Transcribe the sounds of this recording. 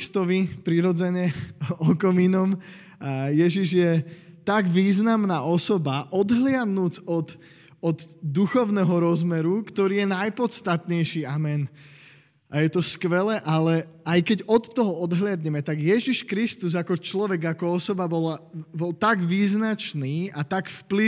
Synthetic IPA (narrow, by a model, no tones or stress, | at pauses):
st̪ɔʋipɾiɾɔd͡zɛɲɛɔkɔminɔm | ajɛʒiʒjɛt̪aɡʋiːznamnaːʔɔsɔbaʔɔd̪ɦlɪad̪nuːd͡zɔt̪ | ɔd̪d̪uxɔʊnɛɦɔɾɔzmɛɾukt̪ɔɾiːjɛnajpɔt̪st̪at̪ɲɛjʃiːamɛn | ʔajɛt̪ɔskʋɛlɛʔalɛajkɛɟɔt̪ːɔɦɔɔd̪ɦlɪad̪ɲɛmɛt̪aɡjɛʒiʃkɾist̪uzakɔt͡ʃlɔʋɛɡakɔɔsɔbabɔlabɔlt̪aɡʋiːznat͡ʃniːat̪aɡfpli